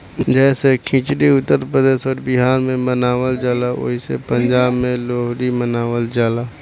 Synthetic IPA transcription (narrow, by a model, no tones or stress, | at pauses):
d͡ʒɛːsekʰĩːt͡ʃɽiʊt̪ːəɾpɾəd̪eːʃɔːɾbɪɦaːɾmẽmənaːwəld͡ʒalaʔo̰ːɦisḛpə̃ɲd͡ʒaːbmẽloːɦɽimənaːʋəld͡ʒaːlaː